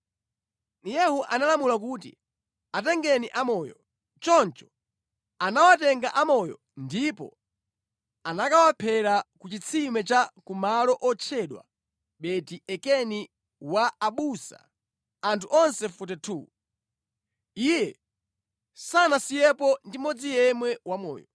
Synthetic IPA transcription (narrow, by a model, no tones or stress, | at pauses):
jɛhuʔanalamulakuːtḭ | at̬ɛŋɡɛniʔamɔjɔ̰ | t͡ʃɔnt͡ʃɔ̥ | anawatɛŋɡaʔamɔjɔ̰ | ndipɔ̰ | anakawapʰɛɾakut͡ʃit͡sʰimɛt͡ʃakumalɔʔɔt͡ʃʰɛɗwa̰ | ɓɛtiɛkɛni | waːɓusa̰ | antʰuʔɔnsɛfut̬ɛtʰu | ijɛ | sanasijɛpɔndimɔd͡zijɛmwɛwamɔ̰ːjɔ